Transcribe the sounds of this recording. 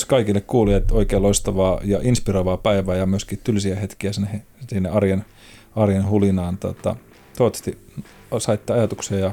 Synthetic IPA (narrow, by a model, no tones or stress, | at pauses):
skɑikilːekkuːliɑt̪oikeːloist̪ɑʋɑːjɑʔinspiroiʋɑːpæiʋæːjɑmyøskit̪t̪ylsiæhet̪kiæsinːehesinːḛɑrjen | ɑrjenhulinɑːnt̪o̰t̪ɑ̰ | t̪oˑt̪ːst̪i | sɑit̪ːeɑjɑt̪uksiɑjɑ